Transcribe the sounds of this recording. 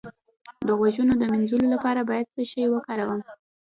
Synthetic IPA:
d̪əɣwaʒunod̪əmɪnzulolapɑɾabɑjad̪̚səʃəjwəkaɾawəm

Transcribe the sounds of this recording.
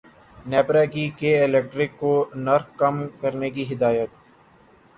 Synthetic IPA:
nɛːpɾaːkikeɪlɛk̚ʈɾɪkːoːnɐɾxkɐmkəɾnekiɦɪd̪aːjət̪

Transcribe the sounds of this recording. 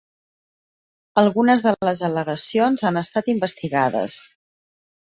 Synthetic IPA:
əlˠɣunəzðələzələɣəsionzanəst̪at̪imbəst̪iɣaðə̰s

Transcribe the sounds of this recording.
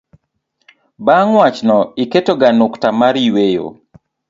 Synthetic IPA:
baŋwat͡ʃnɔiketoɡanʊktamaɾiwejo̰

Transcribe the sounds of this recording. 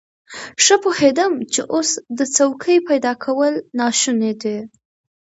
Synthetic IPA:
ʂəpohed̪əmt͡ʃeʔosd̪ət͡sawkʰəjpajd̪ɑkʰawəlnɑʃuned̪e

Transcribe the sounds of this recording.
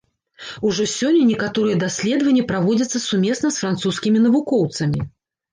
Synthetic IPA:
uʐɔsʲɔnʲːɐnʲɛkat̪ɔɾɨjɛd̪asʲlʲɛd̪əvɐnʲːjɛpɾavɔd͡zʲɐt̪sɐsumʲesnɐsfɾant̪suskʲimʲinɐvukɔwt̪sɐmʲi

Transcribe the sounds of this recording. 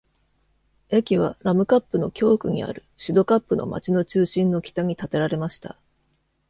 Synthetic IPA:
e̞kʲiβ̞aɾamɯ̟kapːɯ̟no̞kʲo̞ːkɯ̟ɲ̟ḭa̰ɾɯ̟ɕid̪o̞kapːɯno̞̰ma̰t͡ɕino̞t͡ɕɨːɕĩnːo̞kʲi̥t̪aɲ̟it̪at̪e̞ɾaɾe̞maɕi̥t̪a̰

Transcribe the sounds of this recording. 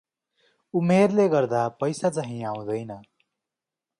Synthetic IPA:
umerleɡʌrd̪apʌjsat͡sʌaɦĩaw̃d̪ʌjnʌ

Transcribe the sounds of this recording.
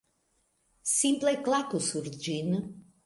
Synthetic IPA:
sĩmpleklˠat̪usuɾd͡ʒin

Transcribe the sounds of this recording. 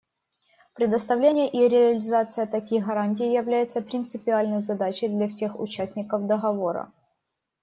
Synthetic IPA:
pɾʲɪd̪əst̪ɐvlʲenʲɪjəʔiɾʲɪɐlʲɪzat̪sɨjət̪ɐkʲijɣɐɾanʲt̬ʲɪjːjɪvlʲæjɪt̪səpɾʲɪnt̪sɨpʲɪalʲnəjzɐd̪at͡ɕɪjd̪lʲɐfsʲe̞xʊ̰t͡ɕæsʲtʲnʲɪkəfd̪əɣɐvo̞ɾə̰

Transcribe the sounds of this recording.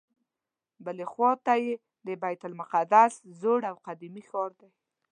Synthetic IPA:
bəlexwɔt̪aje | d̪əbajt̪ʊlmʊqad̪aszoɽawqad̪imixɑɾd̪aj

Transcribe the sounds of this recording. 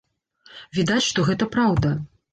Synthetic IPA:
vʲid̪at͡sʲʂt̪ɔɣɛt̪ɐpɾawd̪ɐ

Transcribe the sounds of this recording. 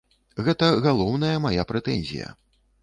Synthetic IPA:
ɣɛt̪ɐɣalˠɔwnɐjɐmajapɾɛt̪ɛnʲzʲḭjɐ̰

